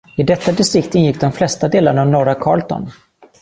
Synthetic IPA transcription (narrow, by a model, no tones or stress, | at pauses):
ɪd̪ɛt̪ːad̪ɪst̪ɾɪkt̪ɪnjɪk̚d̪ɔmflɛst̪ad̪eːlaɳavnɔɾakʰɑ̰ːɭt̪ɔ̰n